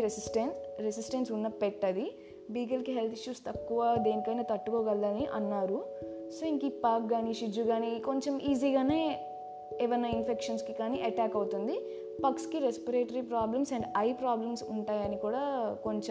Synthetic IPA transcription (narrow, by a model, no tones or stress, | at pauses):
ɾesisʈenɾesisʈensunːɐpeʈːɐd̪i | biːɡɐlkiɦe̞lt̪ʰiʃjuːst̪ɐkːuʋaːd̪e̞ːnikɐjnɐːt̪ɐʈːukoːɡɐlːɐniʔɐ̰nːaːɾu | so̞ːiŋkipaːk̚ɡaːniʃid͡ʒuɡaːniko̞ɲt͡ʃemʔiːziːɡaːne̞ː | ɛʋɐnːɐinpʰekʂɐnskikaːniʔɐʈaːkɐwut̪und̪i | pɐkskiɾespɐɾeːʈɐɾipɾaːblɐmsɐɳɖɐjpɾaːblɐmsuɳʈaːjɐnikuːɽaːko̞ɲt͡ʃe